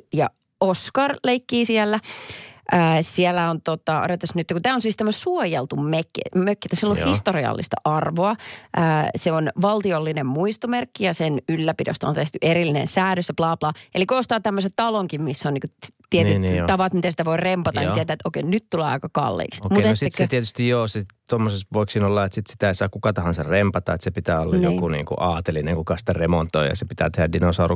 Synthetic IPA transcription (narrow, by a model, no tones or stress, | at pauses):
jɑ̰ | oskɑrleikːiːsiælːæʔəːsiɛlːæont̪ot̪ɑo̰ɾet̪ːɑsnyt̪ːækut̪æːonsiːst̪æmːæsuojelt̪ummekːḛmøkːit̪æsilːõhist̪oriɑ̰lːḭst̪ɑ̰ʔɑrʋoɑʔəːseonʋɑlt̪iolːinemmuist̪omerkːijɑsenylːæpidḛost̪ɑo̰nt̪eht̪yʔeɾilːinḛnsæːɾøsseplɑːplɑːʔelikoost̪ɑːt̪æmːøset̪ɑloŋkimmisːonniːkut̪iet̪yt̪ɑʋɑt̪mit̪æsi̥t̪æʋoirempɑt̪ɑniet̪æet̪ʔoikeinnyt̪t̪uleːɑ̰ikɑkɑ̰lːḭːksomuesiset̪iet̪yst̪ijjoːset̪omːosesʋoiksiːnolːɑet̪sit̪si̥t̪æeisɑːkukɑt̪ɑhɑnsɑrempɑt̪ɑ̰et̪sepit̪æːolːɑjjo̰kunḭːŋkṵʔɑːt̪elineŋkukɑsi̥t̪æremont̪ːˑoijɑ̰sepit̪æ̰ːt̪ehædinosɑːru